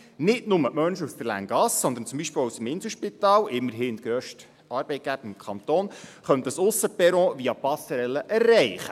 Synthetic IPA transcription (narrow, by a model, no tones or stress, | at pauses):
nɪdnʊməmœnʃəust̪əlæ̰ŋɡɑsːɔnd̪ənt͡sʊmbiʃpeːlusəmɪnsəʃpit̪ɑːlɪmːəɾɦɪːɪnt̪ɡ̥ɾøʃt | ɑːɾb̥ɛɪt̚ɡ̥æb̥əɾɪmkχɑnt̪oːnχœnt̪əsʊsːəpɛɾɔ̃ːʋiɑpɑsəɾɛlːəʔɛrːɛɪχə